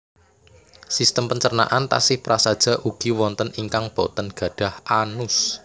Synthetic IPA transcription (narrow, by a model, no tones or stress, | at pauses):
sist̪əmpəɲt͡ʃərna̰ʔant̪a̰sɪhpɾasad̥ʒ̥a̤ʔuɡ̥iwɔnt̪əniŋkaŋb̥ɔt̪ənɡ̥ä̤ɖ̥a̤hʔanʊs